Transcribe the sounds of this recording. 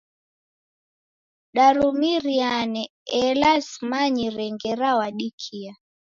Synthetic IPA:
ɗaɾumiɾianɛ | ɛlasmaɲiɾɛŋɡɛɾawaɗikʰia

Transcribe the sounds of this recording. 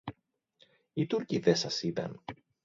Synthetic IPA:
it̪uɾciðesɐsit̪ɐ̰n

